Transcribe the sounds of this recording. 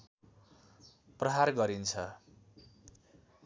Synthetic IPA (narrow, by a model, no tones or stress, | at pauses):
prʌɦarɡʌɾint͡sʰʌ